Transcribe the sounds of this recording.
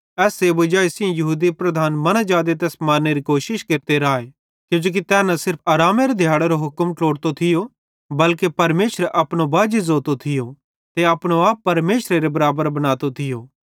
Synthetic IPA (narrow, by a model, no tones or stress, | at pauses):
ɛːseːbʊd͡ʒaːisɪjõjɐɦuːd̪ipɾɐd̪ʱaːnmɐnad͡ʒaːd̪et̪̬ɛːsmaːɾnːeɾikoːʃɪʃkeːɾt̪eɾaːe | kjũːd͡ʒoːk̬it̪ɛːnɐsɪɾpʰaːɾaːmeɾed̪ʱjaːɽeɾoɦʊkəmʈoːɽt̪ot̪ʰɪjo | bɐlkepɐɾmeːʃəɾʔɐpɽ̃obaːd͡ʒizoːt̪ot̪ʰɪjo | t̪eɐpɽ̃oaːpːɐɾmeːʃɾeɾebɐɾaːbəɾbɐñaːt̪ot̪ʰɪjoː